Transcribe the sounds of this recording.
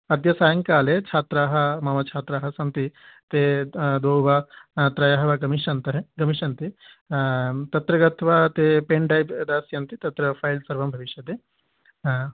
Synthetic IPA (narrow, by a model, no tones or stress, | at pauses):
ɐd̪jɐsaːjɐŋkaːlet͡ʃʰaːt̪ɾaːɦɐmaːʋɐt͡ʃʰaːt̪ɾaːɦɐsɐnt̪it̪ed̪oːwʋaːt̪ɾɐjaɦɐʋaɡɐmiʃɐnt̪ɐɦɡɐmiʃɐnt̪i | t̪ɐt̪ɾɐɡɐt̪ʰʋat̪epeːɳɖajbd̪aːsjɐnt̪it̪ɐt̪ɾɐpʰaːjlsɐɾʋɐmbʱɐʋiʃjɐd̪e